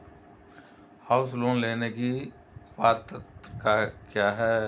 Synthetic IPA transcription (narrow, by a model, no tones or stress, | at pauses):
haːʊsloːnleːneki | paːɾt̪ətkakjaːɦɛː